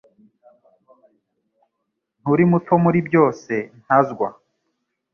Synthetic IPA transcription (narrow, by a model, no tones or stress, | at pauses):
n̥uɾimutʰomuɾibjo̞ːse̞n̥hazɡwa